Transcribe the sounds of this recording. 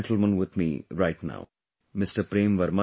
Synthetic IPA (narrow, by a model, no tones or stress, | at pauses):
nʈʰl̩ˠmə̃nwɪd̪mḭɾaɪʈna̰ʊ | mɪsʈəɾpɾẽːmʋəɾmə